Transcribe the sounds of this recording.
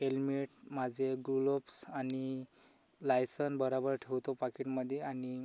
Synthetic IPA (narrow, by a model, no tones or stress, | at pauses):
ɦelmeʈmad͡zʱeɡulopsani | lajsənbəɾabəɾʈʰewt̪opakiʈməd̪ʱːjeani